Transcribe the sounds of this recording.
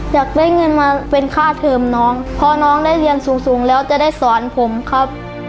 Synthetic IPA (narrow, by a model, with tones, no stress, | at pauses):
t͡ɕaː˨˩k̚daː˥˩jŋɤ˧nmaː˧pe˧nkʰaː˥˩t̪ʰɤː˧mnɔː˦˥ŋpʰɔː˧nɔː˦˥ŋdaː˥˩jli˧ənsuː˩˦ŋsuː˩˦ŋlɛː˦˥wt͡ɕa˨˩daː˥˩jsɔː˩˦npʰo˩˦mkʰa˦˥˩p̚